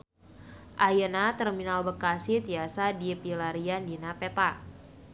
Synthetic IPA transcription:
ʔajənat̪ərminalbəkasiht̪iasadipilaɾiandinapet̪a

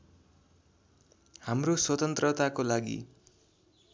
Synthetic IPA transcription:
hamroswʌt̪ʌnt̪rʌt̪akolaɡḭ

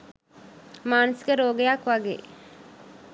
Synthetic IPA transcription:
maːnusɡeɾoːɡejakʋaɡḛː

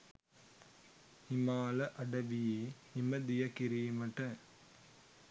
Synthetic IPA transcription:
ɪmaːlɐʔɐɽɐʋɪje | ɪmɐd̪ɪjɐkɪɾiːmɐʈːɐ

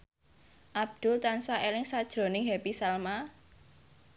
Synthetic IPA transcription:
ʔab̚d̪̥ʊ̤lt̪ansaʔelɪŋsad̥ʒ̥ɾo̤nɪŋɦepisalma

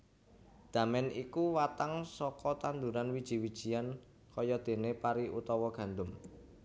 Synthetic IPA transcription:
d̪̥ä̤mɛnikuwat̪aŋsɔkɔt̪and̪uɾanwid̥ʒ̥i̤wid̥ʒ̥i̤jan | kɔjɔd̪̥e̤nepaɾiʔṵt̪ɔwɔɡ̥ä̤nd̪ʊm

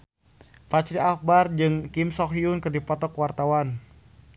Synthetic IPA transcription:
pat͡ʃɾiak̚bard͡ʒɨŋkimsɔkiunkɨrdipɔt̪ɔkwart̪awan

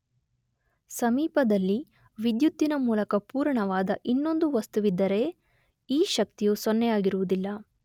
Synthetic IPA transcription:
sɐmiːpɐd̪ɐlːi | ʋid̪jut̪ːinɐmuːlɐkɐpuːɾɳɐʋaːd̪ɐʔinːo̞nd̪uʋɐst̪uʋid̪ːɐɾe̞ | iːʃɐk̚t̪ijusonːɛjaːɡiɾuʋud̪ilːɐ

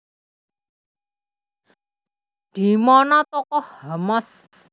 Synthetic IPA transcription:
d̪̥i̤mɔnɔt̪ɔkɔhhəmɔs

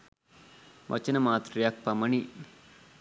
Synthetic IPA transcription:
ʋʔɐ̰t͡ʃənəmaːt̪ɾijak̚paməni

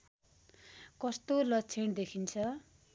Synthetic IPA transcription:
kʌst̪olʌt͡sʰiɽd̪ekʰint͡sʰʌ

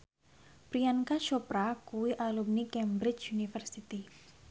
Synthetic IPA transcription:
pɾiankaʃɔpɾakuwiʔalumnikɛmbɾɪt͡ʃunifərsit̪i

